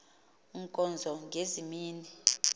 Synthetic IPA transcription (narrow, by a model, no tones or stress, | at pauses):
ŋkʼɔnd͡zʱɔŋɡʱezimiːni